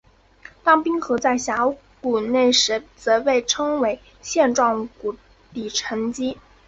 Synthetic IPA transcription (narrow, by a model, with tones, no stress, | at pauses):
t̪ɑ˥ŋpi˥nxɤ˧˥t͡sa˥˩ɪɕja˧˥ | ku˨˩ne˥˩ɪʂɻ̩˧˥t͡sɤ˧˥pe˥˩ɪʈ͡ʂʰɤ˥ŋwe˧˥ɪ | ɕjɛ˥˧nʈ͡ʂwɑ˥˩ŋku˨˩ | t̪i˨˩ʈ͡ʂʰə˧˥ŋt͡ɕi˥